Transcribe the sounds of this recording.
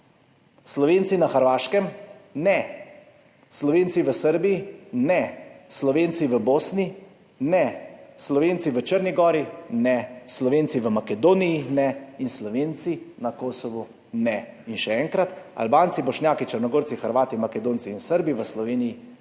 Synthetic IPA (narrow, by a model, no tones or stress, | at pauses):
slɔʋeːntsinaxəɾʋaːʃkɛmnɛ | slɔʋeːnt̪siʋəsəɾbijinɛslɔʋeːnsiʋəboːsni | nɛslɔʋeːnsiʋət͡ʃəɾniɡɔːɾinɛslɔʋeːnt̪siʋəmakɛd̪oːnijinɛinslɔʋeːnt̪sinakoːsɔʋu | nɛinʃɛɛːŋkɾat̪a̰lbaːnsibɔʃnʲjaːkit͡ʃəɾnɔɡoːɾsixəɾʋaːt̪imakɛd̪oːnt̪siːnsəɾbiʋəslɔʋeːniji